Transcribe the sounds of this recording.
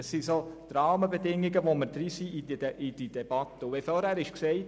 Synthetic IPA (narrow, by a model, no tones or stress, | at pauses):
əsːisod̥̪ɾɑːməbedɪŋːiɡəʋoməɾd̪ɾisiidəʔid̥idɛb̥ɑt̪ːəʊʋefoːɾhæːɾɪʃksɛɪt